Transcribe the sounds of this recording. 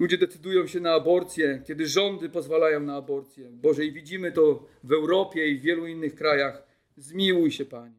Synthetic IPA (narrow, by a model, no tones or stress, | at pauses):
lud͡ʑɛd̪ɛt̪sɘd̪ujɔ̃w̃ɕɛnaːbɔɾt̪sʲjɛkʲjɛd̪ɘʐɔnd̪ɘpɔzvalajɔ̃w̃naːbɔɾt̪sʲjɛbɔʐɛivʲid͡ʑimɘt̪ɔvɛwɾɔpʲjɛivvʲjɛluinːɘxkɾajax | zmʲiwujɕɛpaɲɛ